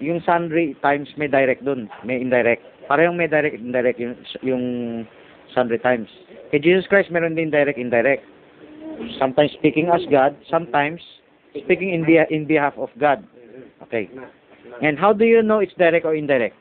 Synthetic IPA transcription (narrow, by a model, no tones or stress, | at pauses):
jʊŋsand̪ɹit̪ajmsmɐjd̪ajɾɛk̚t̚d̪ʊnmɛjɪnd̪ajɾɛk̚t̪̚paːɾɐjʊŋmɛjd̪ajɾɛk̚t̪ɪnd̪ajɾɛk̚t̪jʊjʊŋ | sand̪ɹit̪ajms | kɛd͡ʒiːsoskɹajst̪̚mɛɾond̪ɪnd̪ajɾɛk̚t̪ɪnd̪ajɾɛk̚t̪̚ | samt̪ãjmsːpiːkɪ̃ŋɐsɡad̪̚sãmt̪ãjms | spikɪŋɪnbɪʔɪ̃nbɪhafɔfɡad̪̚ | ʔo̰kḛj | ʔɛnd̪ɦawd̪ʊjʊnoɪt̪sd̪ajɾɛk̚t̪oɹɪ̃nd̪ajɹɛk̚t̪̚